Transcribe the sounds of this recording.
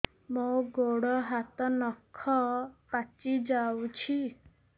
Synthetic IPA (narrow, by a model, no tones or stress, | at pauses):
mɔwɡoɽɔɦat̪ɔnɔkʰːɔpat͡ʃid͡ʒawt͡ʃʰi